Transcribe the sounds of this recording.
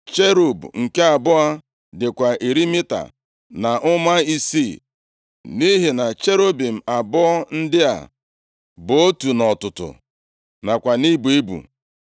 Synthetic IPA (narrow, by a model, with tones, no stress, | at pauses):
t͡ʃe˦ɾo˨bŋ̩˨ke˦a˨bʊ˦a˦ | dɪ˨kʷa˨ʔi˨ɾi˦mɪ˦ta̰˨ | na˨ʔʊ˦ma˦i˦si˦˨ | ni˦ɦi˨na˨t͡ʃe˦ɾo˦bi˨m̩˨a˨bʊ˦n̩˦dɪ˦a̰˨ | bo˦tu˨nɔ˨tʊ˨tʊ̰˨ | na˨kʷa˨ni˦bu˨e˦bṵ˨